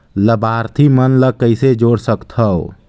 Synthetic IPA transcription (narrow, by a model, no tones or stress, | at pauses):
ləbaɾt̪ʰimənləkːəɪsed͡ʒoɽsəkt̪ʰəw